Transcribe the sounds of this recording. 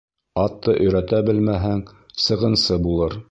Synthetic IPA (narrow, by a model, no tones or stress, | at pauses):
ɑt̪ːɤʔɵ̆jɾæt̪æbɘlmæɦæŋsɤ̆ʁɤ̆nsɤbulˠɤɾ